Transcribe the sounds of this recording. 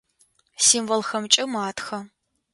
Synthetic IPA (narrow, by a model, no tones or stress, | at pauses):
siːmvɔlxɐmt͡ʃʼɪmaːtʰxɐ